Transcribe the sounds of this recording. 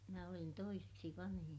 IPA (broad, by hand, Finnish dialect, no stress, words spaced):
minæ olin toiseksi ʋɑnhij